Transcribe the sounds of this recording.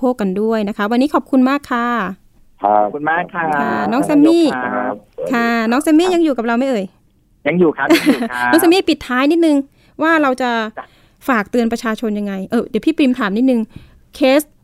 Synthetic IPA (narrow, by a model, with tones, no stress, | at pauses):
oː˥˩k̚ːa˧ndu˥˩əjna˦˥kʰa˦˥wa˧nːiː˦˥kʰɔ˨˩p̚kʰu˧nmaː˥˩kʰːa˧˥˩ | u˧ma˥˩kʰːkʰa˥˩nɔː˦˥ŋsɛ˧mːiː˥˩ | kʰa˥˩nɔː˦˥ŋsɛː˧mːiː˥˩ja˧ŋjuː˨˩ka˨˩p̚ɾa˧wma˥˩jʔɤː˧j | ja˧ŋjuː˨˩kʰnɔ˦˥ŋsɛ˧miː˥˩pi˨˩t̪ʰːaː˦˥jni˦˥t̪̚nɯ˨˧ŋ | waː˥˩ɾa˧wt͡ɕa˨˩ | faː˨˩k̚t̪ɯ˧ənpɾa˧t͡ɕʰaː˧t͡ɕʰo˧nja˧ŋːa˧jʔɤː˧˩di˨˩˦pʰiː˥˩pɾi˧mt̪ʰaː˩˦mni˦˥t̪̚nɯ˨˧ŋ | kʰeː˦˥s